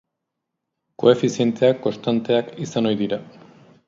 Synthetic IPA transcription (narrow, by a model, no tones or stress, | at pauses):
ko̞̰e̞fisie̞nt̪e̞akːo̞st̪ant̪e̞akisano̞jðiɾa